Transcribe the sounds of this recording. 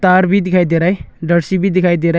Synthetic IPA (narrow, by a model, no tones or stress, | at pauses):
t̪aːɾbid̪ɪkʰaːjd̪eɾaːjɖəɽsibʱid̪ɪkʰaid̪eɾa